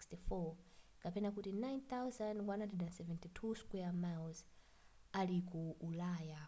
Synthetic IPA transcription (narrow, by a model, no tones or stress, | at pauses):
sistifɔkapɛnakutinajnθawzãndwanhãndrɛdɛnsɛvɛ̃ntitʰuskwɛamawz | alikuʔulaːja